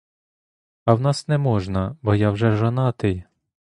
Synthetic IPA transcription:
ɐwnɑsnɛmɔʒnɐbɔjɑwʒɛʒɐnɑt̪ɪj

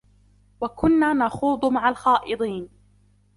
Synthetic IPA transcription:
wakʊnːaːnɑxuːd̪ˤmaʕalxɑːʔɨd̪ˤiːn

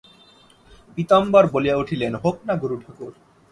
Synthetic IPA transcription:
pit̪ɔmbaɾbolijauʈʰilenɦoknaɡuɾuʈʰakuɾ

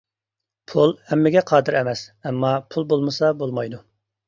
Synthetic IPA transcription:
pʰulˠhɛmːɪɡʲɛqʰɑːd̪ɪɾɛmɛsɛmːɑpʰulˠbolˠmɨsɑbolˠmɑjd̪u

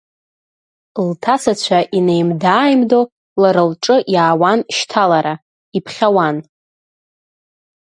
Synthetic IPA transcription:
ltʰasʰat͡ɕʷʰaʔine̞jmdaːjmdo | laɾɨlʈ͡ʂʼɨʔjaːwanʃtʰalaɾa | ipʰχʲawan

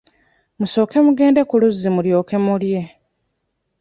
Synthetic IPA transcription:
muso̞ːke̞muɡe̞ːnde̞kuluzːimuljo̞ːke̞mulje̞

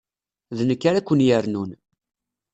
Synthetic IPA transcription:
ðnəkːaɾækʷːənjəɾnun

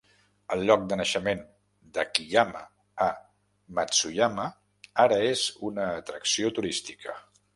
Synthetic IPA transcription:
əlˠʎɔk̚d̪ənəʃəmen | d̪əkiʎamə | mət͡sujamə | aɾəezunəːt̪ɾəksiot̪uɾist̪ikʰə

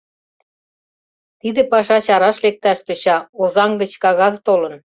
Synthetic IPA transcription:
t̪id̪ĕpɑʃɑt͡ɕɑɾɑʃlek̚t̪ɑʃt̪ø̆ɕɑozɑŋɡə̆t͡ɕkɑɣɑzt̪olə̆n

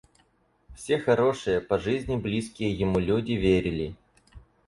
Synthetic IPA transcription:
fsʲexɐɾo̞ʂɨjəpɐʐɨzʲnʲɪblʲiskʲɪjəjɪmulʲudʲɪvʲeɾʲɪlʲɪ

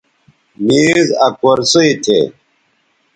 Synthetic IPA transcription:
miːzɐkoɾsoit̪ʰḛ

